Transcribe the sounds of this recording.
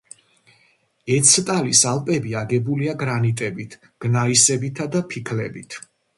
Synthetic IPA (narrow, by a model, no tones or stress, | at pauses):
ɛt̪sʰt̪ʼalisalˠpʼɛbiaɡɛbuliaɡɾanit̪ʼɛbit̪ʰ | ɡ̥naisɛbit̪ʰad̪apʰikʰlɛ̰bit̪ʰ